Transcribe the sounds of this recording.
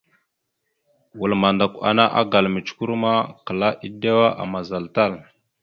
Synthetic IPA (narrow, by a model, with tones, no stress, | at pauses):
wu˨lma˨nda˨kʷa̰˨na˦ʔa̰˦ɡa˨lmi˨t͡ʃku˦ɾma˦kə˨la˦ʔi˦de˦wa˦ʔa̰˨ma˨za˨lta˦˨l